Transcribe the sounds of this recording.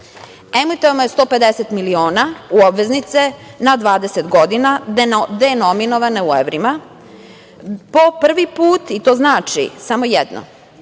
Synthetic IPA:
emit̪omojest̪o̞ːpe̞d̪eset̪milioːnauobʋe̞znit̪se̞nad̪ʋaːd̪eset̪ɡo̞d̪inad̪enominoʋaneueʋɾima | popr̩ʋipuːt̪it̪oːznaːt͡ʃḭsamo̞jɛd̪no̰

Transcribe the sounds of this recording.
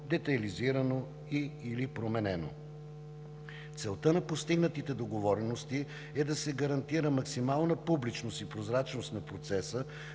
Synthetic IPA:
d̪ɛt̪ɐliziɾəno | iːlipɾomɛnɛno̰ | t̪sɛlˠt̪ənɐpost̪iɡnət̪it̪ɛd̪oɡovɔɾɛnost̪i | ɛd̪ɐsɛɡɐɾɐnt̪iɾəmɐksimalˠnəpublit͡ʃnost̪ipɾozɾat͡ʃnost̪nɐpɾot̪sɛsə

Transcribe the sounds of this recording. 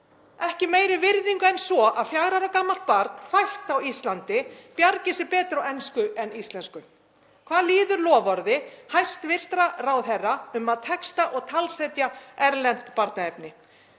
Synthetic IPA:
ɛhcɪmeːjɾɪvɪɾðiŋkɛnsvɔʔaðfjaɣɾaɾakaːmalt̪̚paɾt̪n̥fajht̪awist̪lant̪ɪpjaɾcɪsɪpɛːt̪ɾawɛnskʏʔɛnist̪lɛnskʏ | kʰvaːðliːðʏɾlɔːvɔɾðɪhajst̪vɪr̥t̪ɾarawθɛrːaʏmaðt̪ʰɛkst̪aʔɔɣt̪ʰalsɛjt̪jaɛɾlɛnt̪paɾt̪naɛp̚nɪ

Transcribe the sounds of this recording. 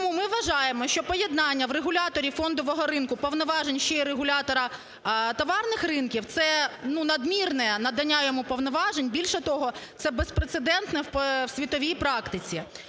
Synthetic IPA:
mumɪʋʋɐʒɑjemɔʃʲt͡ʃɔpɔjɛd̪nɑnʲːɐʋreɦʊlʲɑt̪ɔɾʲifɔnd̪ɔʋɔɦɔɾɪnkʊpɔʋnɔʋɑʒenʲʃt͡ʃɔiɾeɦʊlʲat̪ɔɾɐ | t̪ɔʋɑrnɪxrɪnkʲiwt̪sɛnunɐd̪mʲirnɛnɐd̪ɐnʲːajɔmupɔʋnɔʋɑʒenʲbʲilʲʃɛt̪ɔɦɔt̪sɛbespɾet̪sed̪ɛnt̪nɛwpwsʲʋʲit̪ɔʋʲijpɾɑkt̪ɪt͡sʲi

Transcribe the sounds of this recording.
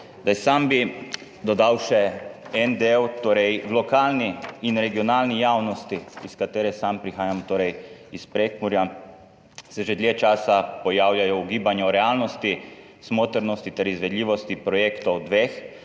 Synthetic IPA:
d̪ajsambi | d̪ɔd̪awʃɛɛnd̪ewt̪oːɾɛjwlɔkaːlniːnɾɛɡijɔnaːlnijaːwnɔst̪iiskat̪eːɾɛsampɾixaːjamt̪oːɾɛjispɾeːkmuɾja | sɛʒed̪ljeːt͡ʃaːsapɔjaːwljajɔuɡiːbanjɔɾɛaːlnɔst̪i | smoːt̪əɾnɔst̪it̪ɛɾizʋɛd̪lʲiːʋɔst̪ipɾɔjeːkt̪ɔwd̪ʋeːx

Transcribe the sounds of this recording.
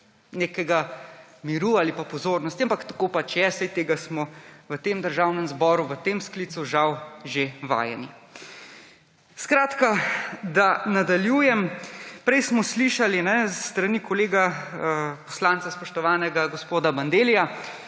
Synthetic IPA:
neːkɛɡamiɾuaːlipapɔzoːɾnɔst̪iampakt̪ḁkopat͡ʃjɛsɛjt̪eːɡasmɔʋət̪eːmd̪əɾʒaːwnɛmzbɔːɾuʋət̪eːmskliːt̪suʒawʒeʋa̰ːjɛ̰ni | skɾaːt̪kad̪anad̪aljuːjɛmpɾɛjsmɔsliʃalinɛsːt̪ɾanikɔleːɡaəpɔslant̪saspɔʃt̪ɔʋaːnɛɡaɡɔspoːd̪aband̪eːlija

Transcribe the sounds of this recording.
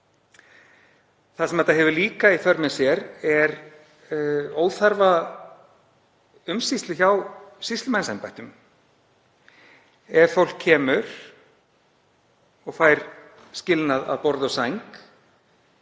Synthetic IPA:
θasɛmɛt̪aɦɛvʏliːkaifœɾmɛsjɛɾɛɾ | oːwθaɾva | ʏmsist̪lʏçawsist̪lʏmɛnsajmpajht̪ʏm | ɛɾfowl̥kʰɛːmʏɾ̥ | ɔɣfaːjɾ̥ | scɪlnaða̰ðpɔɾðɔɣsajŋk

